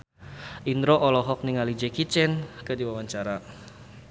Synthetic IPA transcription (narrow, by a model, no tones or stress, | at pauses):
ʔindɾoʔɔlɔɦɔk̚niŋalid͡ʒɛkit͡ʃɛnkədiwawaɲt͡ʃaɾa